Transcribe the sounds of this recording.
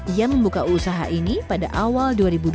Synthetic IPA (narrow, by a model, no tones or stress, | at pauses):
ijaməmbukausaɦa̰ʔinipadaʔawalduaɾibud